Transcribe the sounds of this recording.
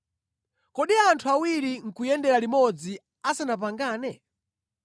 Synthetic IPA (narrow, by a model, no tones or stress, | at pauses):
kɔɗiantʰuawiɾiŋ̩kujɛndɛɾalimɔd͡zi | asanap̬aŋɡaːnɛ